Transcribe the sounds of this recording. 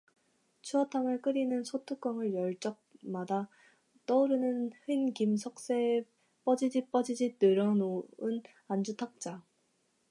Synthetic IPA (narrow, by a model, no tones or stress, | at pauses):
t͡ɕʰuʌtʰaŋɯɭk͈ɯɾinɯnsʰotʰuk͈ʌŋɯɭjʌɭt͡ɕ͈ʌk̚mada | t͈ʌuɾɯnɯnhinkimsʰʌk̚s͈e | p͈ʌd͡ʑid͡ʑip͈ʌd͡ʑid͡ʑitɯɾʌnoɯn | and͡ʑutʰak̚t͡ɕ͈a